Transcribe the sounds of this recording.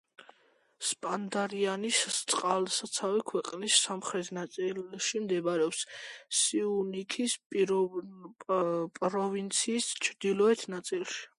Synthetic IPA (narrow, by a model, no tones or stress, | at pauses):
spʼand̪aɾianist̪sʼqʼalsat̪sʰavikʰwɛqʼnisːamχɾɛt̪ʰnat̪sʼilʃimd̪ɛbaɾɛɔpssiunikʰispʼ | pʼɾɔvint̪sʰiːst͡ʃʰɾd̪ilɔɛt̪ʰnat̪sʼilˠʃi̥